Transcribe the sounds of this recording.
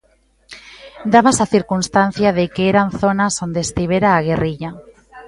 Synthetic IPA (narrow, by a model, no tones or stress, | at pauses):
d̪aβasaθiɾkunst̪an̟θjaðekeeɾanθonasond̪eːst̪iβ̞eɾaːɣ̞eriʎa